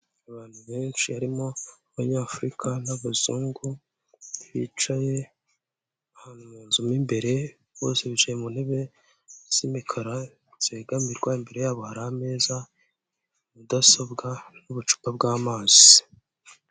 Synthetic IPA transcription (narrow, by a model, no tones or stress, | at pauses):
aβaːn̥huβe̞ːnt͡ʃihaɾimo̞ | βaɲaːfuɾikʰanaβuzuːŋɡu | βḭt͡ʃaje̞ | ahaːn̥humuːnzumimbe̞ɾe̞ | βo̞ːseβit͡ʃajemunhe̞βe̞ | z̥imikʰaɾa | z̥eɡamiɾɡwaimbe̞ɾe̞jaːβo̞haɾahame̞ːza | mudasobɡanuβut͡ʃu̥pab̚ɡaːmaːz̥i